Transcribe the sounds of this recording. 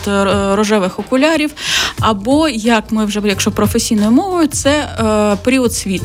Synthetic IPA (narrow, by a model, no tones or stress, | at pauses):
t̪ɾɔʒɛʋɪxɔkʊlʲɑɾʲiwɐbɔjɐkmɪwʒɛjɐkʃɔpɾɔfesʲijnɔjʊmɔʋʊjʊt̪sɛpeɾʲiɔt̪sʲʋʲit̪